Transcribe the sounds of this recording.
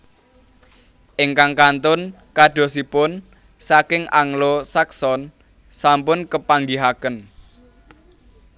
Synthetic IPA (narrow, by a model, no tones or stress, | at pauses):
ʔɪŋkaŋkant̪ʊn | kaɖ̥o̤sipʊn | sakɪŋaŋlosaksɔn | sampʊnkəpaŋɡiɦakən